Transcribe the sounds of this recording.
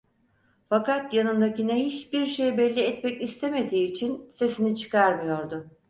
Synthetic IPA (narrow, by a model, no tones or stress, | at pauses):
fakat̪janɯnd̪acineɦiʃbiɾʃe̞jbɛlʲːiɛt̪mɛcist̪ʰe̞me̞d̪iːt͡ʃʰinse̞sinit͡ʃʰɯ̥kʰaɾmɯjo̞ɾd̪ʊ